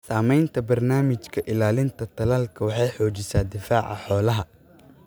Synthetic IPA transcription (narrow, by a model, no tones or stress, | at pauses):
saːmɛjnt̪ʰɐbɐrnaːmɪt͡ʃkʰɐʔɪlaːlɪnt̪ʰɐt̪ʰɐlaːlkʰɐwɑħɑjħɔːt͡ʃɪsaːd̪ɪfaːʕɑ̰ħɔːlɐɦɐ